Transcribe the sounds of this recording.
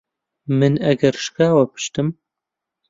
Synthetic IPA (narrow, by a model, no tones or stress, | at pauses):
mɨnɐɡɐɾʃkaːwɐpʰɨ̥ʃt̪ɨm